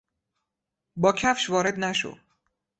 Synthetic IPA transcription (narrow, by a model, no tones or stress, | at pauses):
bɒːcʰæfʃvɒːɾe̞d̪næʃo̰